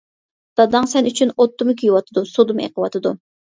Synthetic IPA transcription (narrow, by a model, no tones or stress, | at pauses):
d̪̥ɑd̪ɨŋsɛnyt͡ʃʰynot̪ːumɨkʲʰyjwɑt̪ʰɨd̪usod̪umḛqəwɑt̪ʰɨd̪u